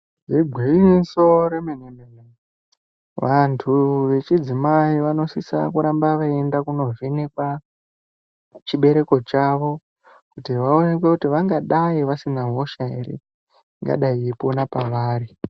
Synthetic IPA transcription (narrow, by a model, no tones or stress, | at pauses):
ʐiɡʱwiiso̞ɾemenenene | ʋantʰuʋe̞t͡ʃid͡zimaiʋano̞sisa̰kuɾambaʋae̞ndakuno̞ʐenek̚wa | t͡ʃiɓe̞ɾe̞ko̞t͡ʃaʋo̞ | kutiʋaonekwe̞kutiʋaŋɡaɗaiʋasinaɦo̞ʃaḛɾḛ | ŋɡa̰ɗaieponapaʋaːɾi